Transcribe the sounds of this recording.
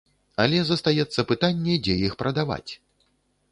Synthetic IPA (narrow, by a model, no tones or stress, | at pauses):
ɐlʲɛzɐst̪ajɛt̪sːɐpɨt̪anʲːɛd͡zʲɛjixpɾɐd̪ava̰t͡sʲ